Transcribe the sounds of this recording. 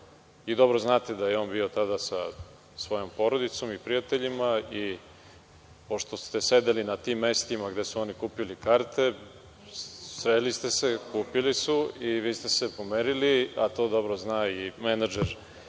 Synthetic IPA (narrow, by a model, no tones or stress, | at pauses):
id̪o̞bɾoznaːt̪ed̪ajeo̞ːnbio̞t̪ad̪asa | sʋo̞jo̞mpo̞ɾod̪it̪so̞mipɾijat̪eʎimai | po̞ʃt̪o̞st̪e̞se̞d̪elinat̪iːmːest̪imaɡd̪e̞suonikuːpilikaːɾt̪e̞ | sɾelist̪e̞se̞kuːpilisuiʋiːst̪e̞sepomeɾiliat̪o̞ːd̪o̞bɾoznaːimenad͡ʒeɾ